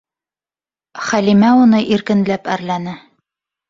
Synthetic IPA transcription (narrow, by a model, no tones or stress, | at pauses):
χælimæunɤʔiɾkɘ̆nlæpæɾlænɘ